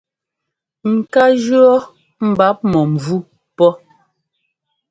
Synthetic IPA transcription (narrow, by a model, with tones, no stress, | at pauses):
ŋ̩˨ka˦d͡ʒɰɔ˦ | m̩˨ba˨˦p̚mɔ˨m̩˨vu˦ | pɔ˦